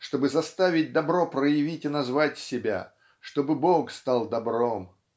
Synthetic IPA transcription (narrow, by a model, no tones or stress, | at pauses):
ʂt̪o̞bɨzɐst̪avʲɪt̚ʲd̪ɐbɾo̞pɾəjɪvʲitʲɪnɐzvatʲsʲɪbʲa̰ | ʂt̪o̞bɨbokst̪ɑlˠd̪ɐbɾo̞m